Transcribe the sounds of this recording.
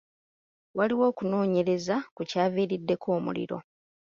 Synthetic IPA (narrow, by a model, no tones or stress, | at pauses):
waliwo̞ːkuno̞ːɲe̞ɾe̞zakucaːviːɾidːe̞kʰo̞ːmṵlḭɾo̞̰